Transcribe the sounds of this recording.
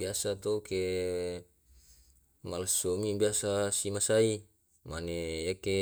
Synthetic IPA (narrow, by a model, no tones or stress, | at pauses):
biasat̪ouke | malsomibiasasimasai | manejake